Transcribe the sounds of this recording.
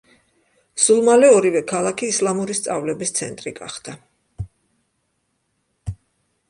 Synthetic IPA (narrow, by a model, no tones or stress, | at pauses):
z̥ulˠmalɛɔɾivɛkʰalˠakʰiːslˠamuɾist̪sʼavlɛbist̪sʰɛ̰nt̪ʼɾiɡa̰χd̪̥a